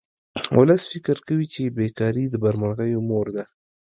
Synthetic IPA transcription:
ʊ̰ləsfɪkəɾkawit͡ʃebekɑɾid̪əbaɾmanɣəjomoɾd̪a

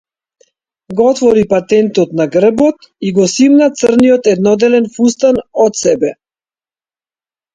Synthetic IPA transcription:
ɡɔt̪vɔɾipat̪ɛnt̪ɔt̪naɡr̩bɔt̪ | iɡɔsimnat̪sərnijɔt̪ɛd̪nɔd̪ɛlɛnfust̪anɔt̪sɛbɛ

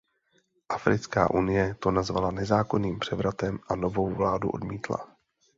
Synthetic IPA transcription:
ʔafɾɪt͡ska̰ːʔunɪjɛt̪o̞nazvalanɛzaːko̞niːmpr̝̥ɛvɾat̪ɛmʔano̞vo̞wvlaːduʔo̞̰dmiːt̪la̰

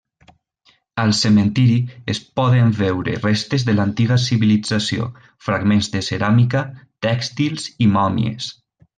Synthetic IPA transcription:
alˠsement̪iɾiespɔðeɱvewɾḛrest̪ezðelant̪iɣasiβilid͡zasio̰ | fɾaɡmenzðeseɾamikat̪ɛkst̪ilˠz̥imɔmj̰ḛs

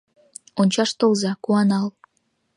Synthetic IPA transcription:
onʲt͡ɕɑʃt̪olzɑkuɑnɑl

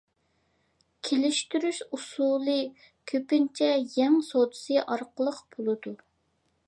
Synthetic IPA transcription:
kʲʰelɪʃt̪yɾyʃusulˠɨ | kʲʰøpɪnt͡ʃʰɛjɛŋsod̪ɨ̥sɨʔɑɾqəlˠəqb̥olˠɨd̪u

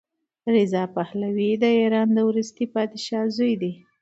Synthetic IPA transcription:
ɾɪzɑpahlawid̪əiɾɑnd̪əwɾust̪ipɑd̪ɪʃɑzujd̪i

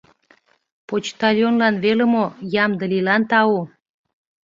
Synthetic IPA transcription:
pot͡ɕt̪ɑljonlɑnβelə̆mojɑmd̪ə̆lilɑnt̪ɑu

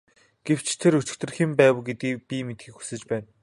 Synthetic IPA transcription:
ɡ̥ew̥t͡ɕʰt̪ʰeɾɵt͡ɕɪ̥̆kt̪ɘ̆rxĭmpæːw̆ɡet̪ɡiːk̚pʲimet̪xiːkxu̥sɘ̆t͡ɕpæːn

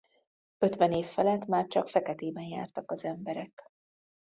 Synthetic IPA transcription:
ø̞t̪ʋɛneːfːɛlɛt̪ːmaːrt͡ʃɒkfɛkɛt̪eːbɛnja̰ːrt̪ɒkɒzɛmbɛɾɛk

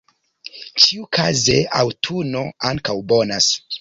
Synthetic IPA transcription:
t͡ʃiukʰazeawtʰuno̞aŋkawbo̞nas

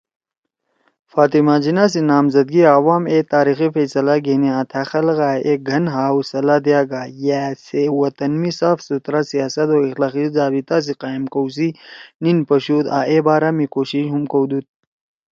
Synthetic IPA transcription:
faːt̪imaːd͡ʑinas̬inaːmzɐd̪̚ɡiaːwaːmeːt̪aːɾiːxifɐsɐlaɡeːniãt̪ʰaxɐlɣaːeɡʱɐnɦaːwsɐlad̪ijaːɡaːjesewɐt̪ɐnmisaːfsut̪ɾasijaːsɐt̪oːixlaːqizaːbit̪as̬iqaːimkows̬ininpɐɕuːt̪a̰ːʔebaːɾamikoːɕiʃɦumkɐwd̪ut̪̚

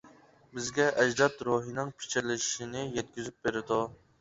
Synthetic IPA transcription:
bɪzɡʲɛʔɛʒd̪ɑt̪ɾoɦinɨŋpʰɪ̥t͡ʃʰiɾlɪʃʃinɪjɛt̪̚kʲyzyp̚beɾɪd̪u

